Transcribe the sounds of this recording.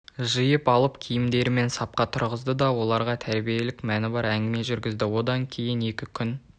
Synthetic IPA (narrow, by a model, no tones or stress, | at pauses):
ʒəjəpɑlˠəpkʲʰijɪmd̪e̞ɾɪme̞nsɑp̚qɑt̪ʰʊɾʁəzd̪əd̪ɑwo̞lˠɑɾʁɑt̪ʰæɾbije̞lɪkmænɪbɑɾæŋɡʲɪme̞ʒʏɾɡʲɪzd̪ɪwo̞d̪ɑŋkʲʰe̞jɪne̞kʲɪkʲʰʏn